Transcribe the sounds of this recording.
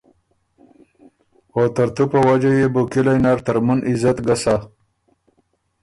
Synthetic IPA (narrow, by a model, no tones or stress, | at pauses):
ot̪aɾt̪upəwad͡ʒajebukilajnaɾt̪aɾmunizat̪ɡasa